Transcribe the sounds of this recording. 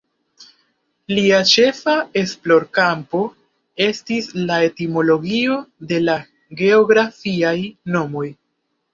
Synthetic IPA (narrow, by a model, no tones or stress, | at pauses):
liat͡ʃe̞fae̞splo̞ɾkampo̞ | e̞stislae̞timo̞lo̞ɡio̞de̞la | ɡe̞oɡɾafiajno̞mo̞j